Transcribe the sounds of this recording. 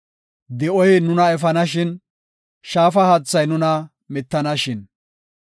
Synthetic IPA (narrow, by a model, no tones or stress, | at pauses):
d̪ɛʔɔjnʊnɐɛfɐnɐʃɪn | ʃaːfɐhɐt͡sːɐjnʊnɐ | mɪt̪ːɐnɐʃɪn